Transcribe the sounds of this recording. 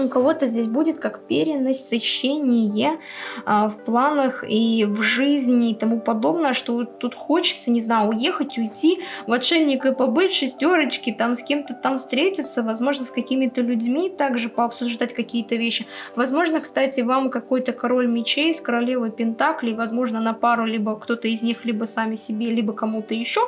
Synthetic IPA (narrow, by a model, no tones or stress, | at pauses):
ʊkɐvo̞t̪əzʲdʲes̬ʲbudʲɪt̪kakpʲeɾʲɪnəsʲtʲsɨɕːenʲɪjə | fplˠanəxivʐɨzʲnʲɪːt̪ɐmupɐd̪o̞bnəjəʂt̪ovot̪ːut̪xot͡ɕɪ̥t̪sənʲɪznajʊʊje̞xətʲʊjtʲːivɐt̪ʂɛlʲnʲɪkɨpɐbɨʂɨsʲtʲo̞ɾət͡ɕkʲɪt̪amsʲkʲemt̪ət̪amfst̪ɾʲetʲɪt̪səvɐzmo̞ʐnəskɐkʲimʲɪt̪əlʲʉdʲmʲit̪aɡʐɨpəɐpsʊʐd̪atʲkɐkʲijət̪əvʲeɕːɪvɐzmo̞ʐnəkst̪atʲɪvamkɐko̞jt̪əkɐɾo̞lʲmʲɪt͡ɕejskəɾɐlʲevəjpʲɪnt̪aklʲɪvɐzmo̞ʐnənɐpaɾʊlʲibəkt̪o̞t̪əɪzʲnʲixlʲibəsamʲɪsʲɪbʲelʲibəkɐmut̪əjɪɕːo